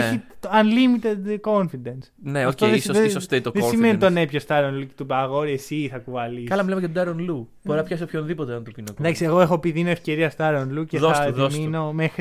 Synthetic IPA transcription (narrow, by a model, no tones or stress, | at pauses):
çiɐnlimit̪ed̪ko̞nfid̪ensneoft̪oðesesost̪et̪oðesimmenit̪onepçost̪ɐɾonlucet̪ubɐɣo̞ɾiesiθɐkuvɐlikɐlɐmilemeɐt̪od̪ɐɾonlub̥oɾinɐpçɐsiopçonðipo̞t̪eɐnt̪upinokd̪ɐksieɣoexo̞piðinoefce̞ɾiɐst̪ɐɾonluceðoɐðosino̞mexɾi